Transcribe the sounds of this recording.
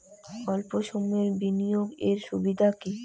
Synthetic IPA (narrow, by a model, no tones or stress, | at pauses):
ɔlpoʃomeɾbinijoɡeɾʃubid̪ʱaki